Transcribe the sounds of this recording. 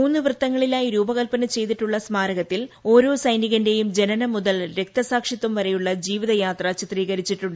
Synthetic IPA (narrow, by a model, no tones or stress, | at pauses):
muːnːɨʋrɨt̪ːɐŋːɐɭilaːjiɾuːbɐɣɐlpɐnɐt͡ɕe̞jt̪̬iʈːuɭːɐsmaːɾɐɣɐt̪ːilo̞ːɾo̞ːsɐjniɣɐnde̞jumd͡ʑe̞nɐnɐmuðɐlɾe̞k̚t̪ɐsaːkʂit̪ːumʋɐɾejuɭːɐd͡ʑiːʋiðɐjaːt̪rɐt͡ɕit̪riːɣɐɾit͡ɕːiʈːuɳɖɨ